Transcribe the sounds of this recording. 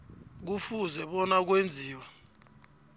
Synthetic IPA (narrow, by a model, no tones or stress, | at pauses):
k̬ufuzɛɓɔnak̬wend͡zʱiːwa